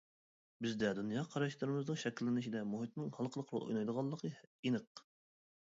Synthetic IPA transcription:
bɪzd̪ɛd̪unjɑːqʰɑɾɑʃlˠɨɾɨmɨznɨŋʃɛkʲlːɪnɪʃid̪ɛmoɦit̪̚nɨŋhɑlˠqʰəlˠəqʰɾo̰lˠʔo̰jnɑjd̪əʁɑlˠːəqʰəinəq

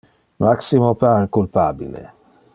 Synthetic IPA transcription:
maksimopaɾkulpaːbḭlḛ

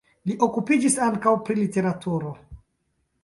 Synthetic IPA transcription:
liʔo̞kupid͡ʒisaŋkawpɾilite̞ɾatʰuɾo̞

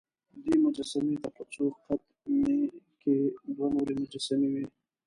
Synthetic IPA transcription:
d̪imʊd͡ʒasamet̪apat͡soqat̪̚ | meked̪wanoɾemʊd͡ʒasamewi

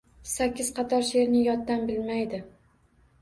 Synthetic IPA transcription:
sakʲːɪz̥qʰɑt̪ʰɒɾʃe̞ɾnɪjɒt̪ːanbɪlmajd̪ɪ

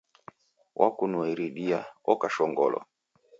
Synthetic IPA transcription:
wʔakunuiɾiɗiaɔkaʃɔŋɡɔlɔ̰

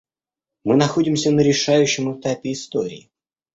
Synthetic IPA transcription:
mɨnɐxo̞dʲɪmsʲənəɾʲɪʂajʉɕːɪmɨt̪apʲɪːst̪oɾʲɪ̰ɪ

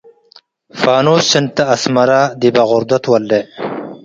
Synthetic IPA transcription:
faːnoːssɪnt̪ɐːsmɐɾad̪ibaɣʊɾd̪ɐt̪wɐld̪e

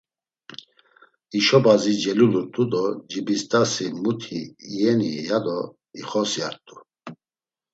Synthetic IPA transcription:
iʃɔbazid͡ʒɛlulut̪ʼud̪ɔd͡ʒibist̪ʼasimut̪ʰḭːɛnijad̪ɔ | iχɔsjaɾt̪ʼu

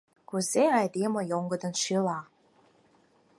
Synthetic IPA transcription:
kuzeɑjd̪emŏjoŋɡɤ̆d̪ɤ̆nʃilɑ

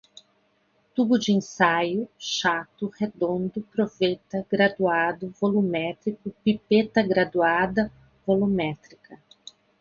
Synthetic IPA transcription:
t̪ubʊd͡ʒɪẽsajʊʃat̪ʊhed̪õnd̪ʊpɾovet̪ɐɡɾad̪uad̪ʊvolumɛt̪ɾikʊpipet̪ɐɡɾad̪uad̪ɐ | volumɛt̪ɾikʰɐ

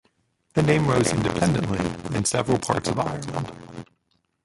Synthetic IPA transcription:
ðɨnẽɪ̃mɹoʊzɪ̃ndɨpʰɛ̃ndɨ̃nʔliɨ̃nsɛvɹl̩ˠpʰɑ̰ɹtsʌva̰ɪə˞lˠə̃nd̥

